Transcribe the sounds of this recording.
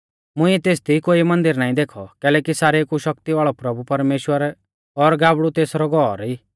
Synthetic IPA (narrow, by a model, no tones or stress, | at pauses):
mʊ̃ĩɛt̪eːsd̪ikoːimɐ̃nd̪ɪɾnaːĩd̪eːkʰɔkɛːlɛːkisaːɾekuʃɐkt̪iʋaːɭɔpɾɐbupɐɾmeːʃwəɾ | ɔɾɡaːbɽut̪eːsɾɔɡɔːɾiː